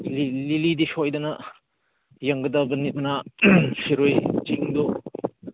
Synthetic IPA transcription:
lililidisɔjdɐnɐ | jɐŋɡɐdɐbɐnit̚nasiɾojt͡ʃiŋdɔ

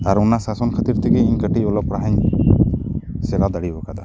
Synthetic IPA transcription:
aɾunasasɔnkʰat̪iɾt̪ʰɛɡɛiɲkəʈiɔlɔpɾaɦaɲ | sɛlad̪aɽibɔkad̪a̰

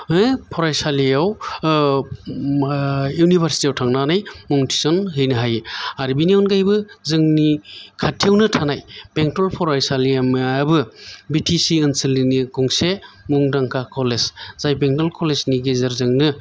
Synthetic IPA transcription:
ɯpʰɔɾajsaliaw | junibʱaɾsi̥tiawtʰaŋnanajmuŋtʰi̥sɔnɦɯjnɯɦajaɾibiniɔnɡajbɯzɯŋnikʰatʰiawnɯtʰanajbeŋtɔlpʰɔɾajsaliambɯbitʰisiɯnsɯliniɡɔŋse | muŋdaŋkakʰɔlezz̥ajbeŋdalkʰɔlezniɡezɯɾzɯŋnɯ

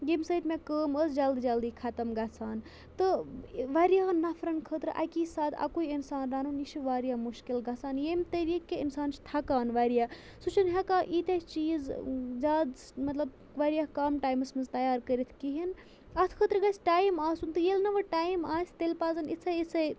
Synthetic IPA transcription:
ɡimsɐit̪ʰmekəːməsd͡ʒɐld̪d͡ʒɐld̪ikʰat̪ɐmɡat͡sʰaːn | t̪ɨʋaɾijaːnɐfʰɾɐnkʰət̪ɾʔa̰kisaːt̪ʰa̰kuiinsaːnɾaːnunit͡ʃʰiʋaːɾjamuʃkilɡat͡saːnjemt̪ɐɾiːkːeinsaːnt͡ʃʰi̥t̪ʰakaːnʋaːɾija | sut͡ʃʰinɦɐkaːʔit̪ʲet͡ʃiːzd͡ʒaːd̪ | mɐt̪lɐb | ʋaɾijakaːmʈaːjmɐsmɐnzt̪ɐjaːɾkəɾit̪ʰkiɦin | ɐt̪ʰkʰəːt̪ɾɡasʲʈaːjmaːsunt̪ɨjelnɐʋɐʈaːjmaːsʲt̪elpaːzɐnit͡sʰɐit͡sɐj

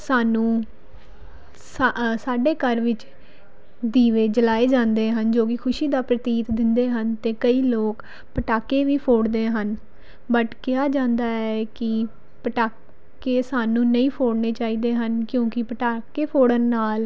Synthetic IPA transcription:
saːnũː | sasaːɖeːkəɾʋɪt͡ʃ | d̪iːʋeːd͡ʒəlaːeːd͡ʒãːnd̪eːɦənd͡ʒoːkɪkʰʊʃiːd̪aːpɾət̪iːt̪d̪ɪnd̪eːɦənt̪eːkəiːloːk | pəʈaːkeːʋiːpʰoːɽd̪eːɦən | bəʈkɪjaːd͡ʒãːnd̪aːɛːkɪ | pəʈaː | keːsaːnũːnəĩːpʰoːɽneːt͡ʃaːiːd̪eːɦənkjõːkɪpəʈaːkeːpʰoːɽənːaːl

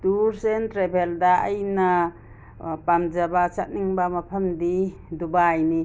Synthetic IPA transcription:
tuɾsentɾebʱeldaːjna | pamd͡ʒabat͡ʃat̚niŋbamɐpʰəmdidubajni

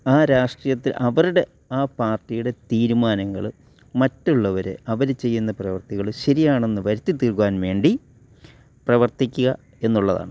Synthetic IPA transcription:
aːɾaːʂʈrijɐt̪ːilʔɐʋɐɾuɽe̞ | aːpaːrʈːijuɽe̞t̪iːɾumaːnɐŋːɐ̰ɭ | mɐtːuɭːɐʋɐɾḛɐʋɐɾet͡ɕe̞jːunːɐprɐʋɐrt̪iɣɐɭɕɐɾijaːɳe̞nːɨʋɐɾit̪ːit̪ːiɭkuʋaːnʋe̞ːɳɖi | prɐʋɐrt̪ikʲːuɣɐ | e̞nːuɭːɐða̰ːɳɨ

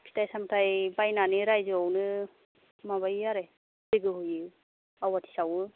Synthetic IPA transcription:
pʰi̥tʰajsamtʰajbajnaniɾajzɯawnɯ | maβajaɾe | iɡɯɦujɯ | awatʰi̥sawɯ

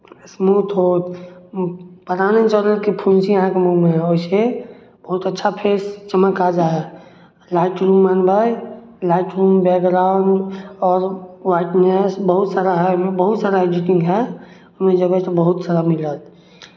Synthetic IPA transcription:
smut̪ɦot̪ | pəɾanet͡ʃələt̪kipʰunsiəɦãkemumẽɦɛoise | bəɦut̪ətːʃʰapʰest͡ʃəməkad͡ʒaɦɛ | laɪʈɾumːanbaj | laɪʈɾumbekɡɾaʊɳɖɔːɾwaɪʈnesbəɦut̪saɾaɦɛmẽbəɦut̪saɾaed͡ʒiʈĩŋɡɦɛ | umẽd͡ʒəɡət̪obəɦut̪saɾamilət̪̚

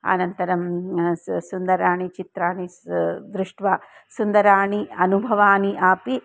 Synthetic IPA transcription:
ɐ̰nɐnt̪ɐɾɐm | sund̪ɐɾaːɳit͡ʃit̪ɾaːɳid̪ɾuʂʈʋaː | sund̪ɐɾaːɳiɐnubʱɐʋaːniʔaːpi

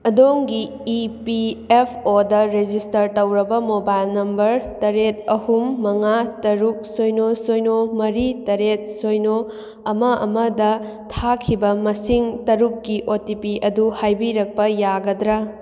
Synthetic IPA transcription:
ɐdoŋɡiː | piepʰodɐɾed͡ʒistɐɾtɐwɾɐbɐmobajlnɐmbɐɾtɐɾet̚ɐhumːɐŋatɐɾuk̚sojnosojnomɐɾitɐɾet̚sojno | ɐmɐʔɐ̰mɐdɐ | tʰakʰibɐmɐsiŋtɐɾukːiʔotipiɐduhajbiɾɐk̚pɐjaɡɐdɾa

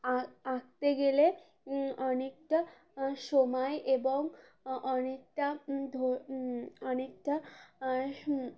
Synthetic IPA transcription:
aɡ̚t̪eɡele | ɔnek̚ʈa | ʃomɔeʔeboŋ | ɔnek̚ʈad̪ʱo | ɔnek̚ʈa

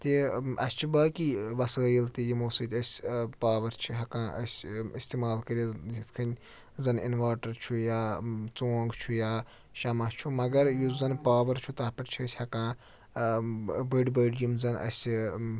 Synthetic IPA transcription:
t̪iɐ̰sʲt͡ʃʰibɐːkiʋɐsəːjilt̪ijimoːsɨt̪ʲɐsʲpaːʋɐɾt͡ʃʰiɦɐkãːʔɐsʲist̪imaːlkɐɾijit̪kʰɐnʲ | zɐnḭnʋaːʈɐɾt͡ʃʰujaːt͡soːŋɡt͡ʃʰujaː | ʃɐmɐt͡ʃʰumɐɡɐɾjuzɐnpaːʋɐɾt͡ʃʰut̪ɐɦpɐʈt͡ʃʰiɐsʲhɐkãː | bɐɖbəɖjumzɐnɐ̰sʲ

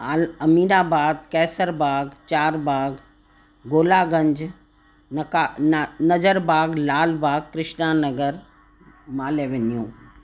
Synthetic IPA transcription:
aɐmiːɾaːbaːd̪̚kɛːsəɾbaːɡt͡ʃaːɾbaːɡ | ɡoːlaːɡə̃ɲd͡ʒ | nkanɐd͡ʒəɾbaːɡlaːlbaːɡ̚kɾɪʃnaːnəɡəɾ | maːleʋɪnijõː

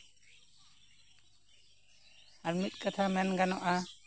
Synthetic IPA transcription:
aɾmit̪̚kat̪ʰamɛnɡanɔʔa

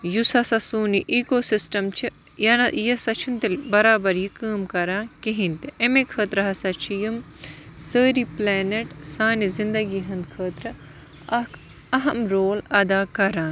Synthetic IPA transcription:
jusɐsɐsuːniʔiːkoːsisʈɐmt͡ʃʰi | jɐnɐjɐsɐt͡ʃʰint̪ɐlʲbɐɾaːbɐɾjikəːmkɐɾãːkiɦint̪iʔemekʰəːt̪ɾɐɦɐsɐt͡ʃʰijim | səːɾiplɛːneʈsaːnizind̪ɐɡiːɦɐ̃nd̪kʰəːt̪ɾɐ | ɐ | ɐɦɐmɾoːlɐd̪aːkɐɾãːn

